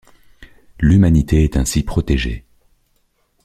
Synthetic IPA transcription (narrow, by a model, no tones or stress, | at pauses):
lymanit̪eɛt̪ɛ̃sipχɔt̪eʒḛ